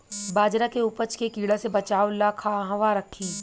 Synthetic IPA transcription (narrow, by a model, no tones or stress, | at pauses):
baːd͡ʒɾakeʊpət͡ʃkekiːɽasebɐt͡ʃaːolaːkʰaɦʋaɾɐkʰːiː